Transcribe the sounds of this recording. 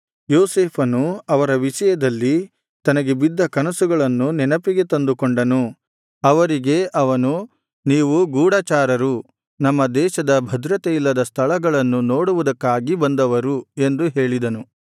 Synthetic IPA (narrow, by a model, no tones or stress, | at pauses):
joːseːpʰɐnuɐʋɐɾɐʋiʃɐjɐd̪ɐlːi | t̪ɐnɐɡe̞bid̪ʱːɐkɐnɐsuɡɐɭɐnːunɛnɐpiɡe̞t̪ɐnd̪ukoɳɖɐnu | ɐʋɐɾiɡe̞ʔɐʋɐnu | niːʋuɡuːɽaːt͡ʃaːɾɐɾu | nɐmːɐd̪ɛːʃɐd̪ɐbʱɐd̪ɾɐt̪eilːɐd̪ɐst̪ʰɐɭɐɡɐɭɐnːuno̞ːɽuʋud̪ɐkːaːɡibɐnd̪ɐʋɐɾue̞nd̪uɦe̞ːɭid̪ɐnu